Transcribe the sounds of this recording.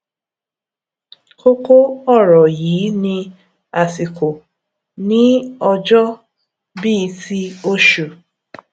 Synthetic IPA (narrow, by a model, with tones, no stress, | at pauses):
ko˦ko˦ɔ˦˨ɾɔ˨jiː˨˦nĩ˧ | a˨si˨ko˨ | nĩ˦ɔ˧d͡ʒɔ˦ | biː˦˨˦ti˦o˦ʃu˨